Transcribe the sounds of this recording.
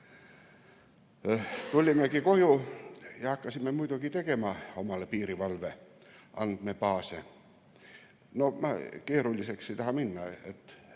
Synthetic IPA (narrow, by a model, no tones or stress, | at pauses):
t̪ulʲimːˑekikojujɑɑkːɑsimːemuit̪ukit̪ekemɑːomɑlepiːriʋɑlʋe | ʔɑ̰nd̪̥̚mepɑːse | nomɑkieɾulʲːisekset̪ɑhɑminːɑḛt̪